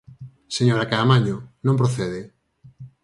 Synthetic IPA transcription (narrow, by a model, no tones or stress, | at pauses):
seɲoɾakaːmaɲonõmp̬ɾoθeðe